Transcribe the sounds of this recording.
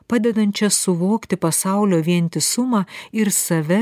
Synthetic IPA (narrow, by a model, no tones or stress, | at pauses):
pɑːd̪ʲɛd̪ɐnt̪ʲt͡ʃʲɛsʊʋoːkt̪ʲɪpɐsɑˑʊlʲoːʋʲiɛnʲt̪ʲɪsʊmɑːɪɾsɐʋʲɛ